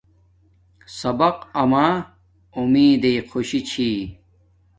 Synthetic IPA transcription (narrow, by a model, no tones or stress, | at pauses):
sɐbɐqɐmaː | umiːd̪ejqʰoɕit͡ɕʰiː